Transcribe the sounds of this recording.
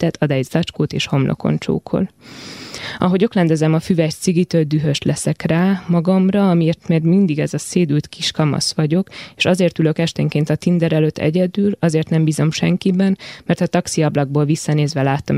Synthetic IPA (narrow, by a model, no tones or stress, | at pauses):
t̪ɛt̪ʰɒd̪ɛjizlɒt͡ʃkoːt̪eːʃho̞mlʔo̰ko̰nt͡ʃo̰ːkʰo̞̰l | ɒɦo̞ɟo̞klɛnd̪ɛzɛmɒfyvɛt̪siɡit̪øːld̪yɦø̞ʃlɛsɛkraːmɒɡɒmrɒɒmieːrt̪mɛɡmind̪iɡɛzɒseːd̪ylt̪kʰiʃkɒmɒ̰sʋɒɟo̞keːʃɒzeːrt̪ylø̞kɛʃt̪ɛŋkeːnt̪ɒt̪ind̪ɛɾɛløt̪ʰːɛ̰ɟɛd̪yːlɒzeːrt̪nɛmbiːzo̞mʃɛŋkibɛnmɛrt̪ɒt̪ɒksiɒblɒɡ̚boːlvisːɒneːzʋɛlaːt̪om